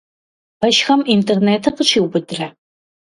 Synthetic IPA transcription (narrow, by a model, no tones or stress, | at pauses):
b̥ɐʃxɐmintʰerneːtʰɐqəɕʰiːwbɨdɨrɐ